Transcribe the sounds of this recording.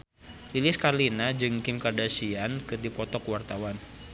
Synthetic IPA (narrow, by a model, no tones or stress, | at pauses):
lilɪskalinad͡ʒɨŋkɪmkardasiankɨrdipɔt̪ɔkwart̪awan